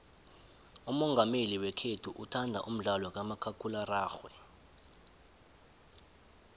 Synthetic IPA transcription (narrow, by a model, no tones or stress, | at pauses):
umɔŋɡʱameliwɛkʰetʰuʔutʰandʱa̰ʔum̩ɮalwak̬amakʰakʰʼularaːxwɛ